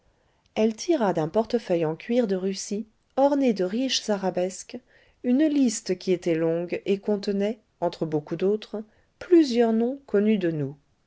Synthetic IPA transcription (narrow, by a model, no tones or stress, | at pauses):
ɛlt̪ʰiʁad̪ɛ̃pɔʁt̪əfœjɑ̃kʲɥiʁd̪əʁysi | ɔʁned̪əʁiʃz̥aʁabɛsk | ynlist̪əkʲiet̪ɛlɔ̃ɡekɔ̃t̪ənɛ | ɑ̃t̪χəbokud̪ot̪χ | plyzjœʁnɔ̃kɔnyd̪ənu